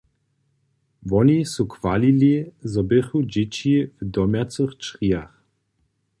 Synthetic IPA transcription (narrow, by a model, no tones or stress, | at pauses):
vɔnisukvalilizɔbeχud͡ʑet͡ɕivd̪ɔmjat͡sɨxt͡ʃʁiax